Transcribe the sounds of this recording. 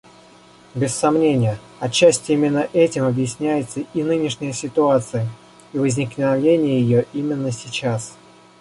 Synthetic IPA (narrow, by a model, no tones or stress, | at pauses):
bʲɪsːɐmnʲenʲɪjə | ɐt͡ɕːæsʲtʲɪimʲɪnːəʔɛtʲɪmɐbjɪsʲnʲæjɪt̪səinɨnʲɪʂnʲɪjəsʲɪt̪ʊat̪sɨjə | ivəzʲnʲɪknnɐvʲenʲɪjəjɪjoʔimʲɪnːəsʲɪt͡ɕas